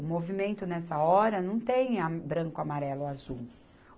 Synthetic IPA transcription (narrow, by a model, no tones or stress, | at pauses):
ʊmovimẽnt̪ʊnɛsɐɔɾɐnɐ̃w̃t̪ẽj̃abɾɐ̃ŋkʊamaɾɛlʊazuw